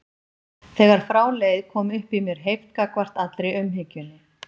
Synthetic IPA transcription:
θɛːɣaɾ̥fɾaːwlejðkʰɔːmʏhpimjɛɾ̥ɦejft̪kakvar̥t̪at̪ɾejʏmɦɪcʏnːɪ

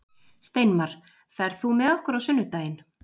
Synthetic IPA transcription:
st̪ejnmaɾ̥ | θaɛɾ̥θumɛðɔhkʏɾawsʏnːʏt̪aːjɪn

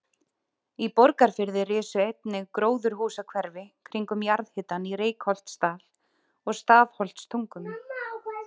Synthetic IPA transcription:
ipɔɾkaɾ̥fɪɾðɪrɪːsʏejp̪nɪɣkɾoːwðʏɾ̥ɦuːsakʰvɛɾvɪkʰɾiŋkʏmjaɾðhɪt̪ːanireːjkhɔl̥t̪st̪aːl | ɔɣst̪aːðhɔl̥t̪st̪ʰuŋkʏm

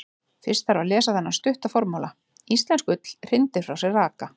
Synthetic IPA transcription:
fɪɾ̥st̪aɾawlɛːsaθɛnːḁst̪ʏht̪afɔɾmawla | ist̪lɛnskʏt̪l̥r̥ɪnt̪ɪɾ̥fɾawsɛraːka

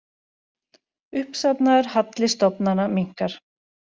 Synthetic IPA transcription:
ʏhpsapnaɛɾ̥hat̪lɪst̪ɔpnanamiŋ̥kaɾ̥

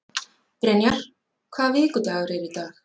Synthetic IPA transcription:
pɾɛnjaɾ̥ | kʰvaːvɪːkʏt̪aɣɾɛɾit̪aːx

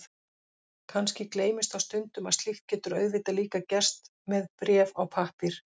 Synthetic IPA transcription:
kʰanscɪkleːjmɪst̪awst̪ʏnt̪ʏmaðst̪iht̪̚cːɛːt̪ʏɾœːɥɣðviːt̪aliːkacɛr̥st̪mɛðpɾjɛːvawpʰahpɪɾ̥

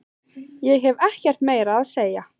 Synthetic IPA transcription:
jɛɣɦɛvɛhcɛr̥t̪meːjɾaːðseːja

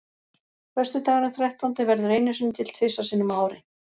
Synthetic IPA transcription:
kʰvɛst̪ʏt̪aːɣaɾɪθɾɛht̪awnt̪ɪvɛɾðʏɾeːjnʏsʏnt̪ʰɪlt̪ʰvɪsasɪnːimaːwɾɪ

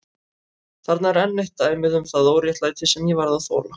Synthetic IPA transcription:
θaɾt̪naɛɾɛnːejht̪aːjmɪðʏmθaðowɾjɛht̪lajt̪ʰɪsɛmjɛvaɾðaθo̰ːla

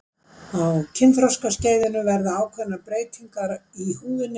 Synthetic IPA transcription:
awcʰɪnfɾɔskasceːjðɪnʏvɛɾðaaːwkʰvɛnapɾeːjt̪ʰiŋkaɾihuːvɪnɪ

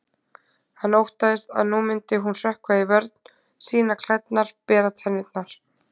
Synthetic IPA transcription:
hanːowht̪aðɪst̪a̰ðnuːmɪnt̪ɪɦunr̥ɛhkvaivɛɾt̪n̥ | siːnakʰl̥ajt̪naɾ̥pɛːɾat̪ʰanɪt̪naɾ̥

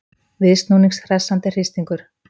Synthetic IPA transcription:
vɪðst̪nuːniŋksθɾɛsːant̪ɪr̥ɪst̪iŋkʏɾ̥

